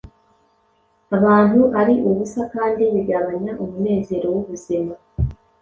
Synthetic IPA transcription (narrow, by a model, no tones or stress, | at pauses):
aβaːnuʔaɾiʔuβusakaːndiβiɡaβaɲaʔumune̞ːze̞ːɾo̞wuβuzima